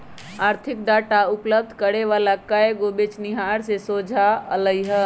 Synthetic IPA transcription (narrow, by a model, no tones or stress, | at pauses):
aːɾt̪ʰɪk̚ɖaːʈaʊpləb̚d̪ʱkəɾeʋaːlakəeɡobet͡ʃnɪɦaːɾsesod͡ʒʱaə̰ləiɦə